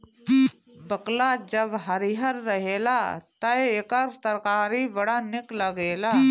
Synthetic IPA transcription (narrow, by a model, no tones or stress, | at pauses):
bəklad͡ʒəbɦɐɾiɦəɾːəɦeːlaːt̪ɐekəɾt̪əɾkaːɾiʋɐɽanɪkləɡeːlaː